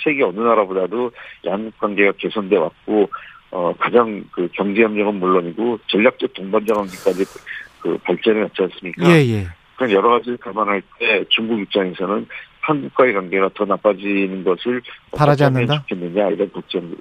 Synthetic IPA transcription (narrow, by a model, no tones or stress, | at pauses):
t͡ɕʰeɡiʌnɯnaɾabodadojanɡuk̚k͈wanɡe̞ɡake̞sʰʌnde̞wa̰t̚k͈oʌkad͡ʑaŋkɯkjʌŋd͡ʑijʌmɲʌɡɯnmuɭːoɲiɡot͡ɕʌʎːak̚t͡ɕ͈ʌk̚t͈oŋband͡ʑʌŋɦanɡik͈ad͡ʑikɯ̰paɭt͡ɕ͈eɾɯɭnat͡ɕ͈ʰians͈ɯmɲik͈aeje̞ | ɯɾʌnjʌɾʌɣad͡ʑiɯɭkamanɦaɭt͈e̞t͡ɕuŋɡuɡjuk̚t͡ɕ͈aŋe̞sʰʌnɯnhanɡuk̚k͈waekwanɡe̞ɣatʌnap͈ʰad͡ʑinɯnɡʌsʰɯɭʌpaɾad͡ʑiaanːɯʌndt͡ɕao̥kʰenːɯɲaiɾʌnkʌk̚t͡ɕ͈enɯ